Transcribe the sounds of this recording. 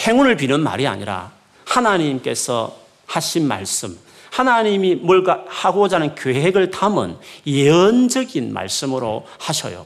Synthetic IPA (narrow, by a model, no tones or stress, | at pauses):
heŋunɯɭpinɯnma̰ɾia̰ɲiɾa̰ | hanaɲimk͈e̞̰sʰʌ̰ | haɕʰinma̰ɭs͈ɯm | hanaɲimimʌɭɡahaɡod͡ʑanɯnkjoɦeɡɯɭtamɯ̰njeɯnd͡ʑʌɡinma̰ɭs͈ɯmɯɾohaɕʰʌ̰jo̰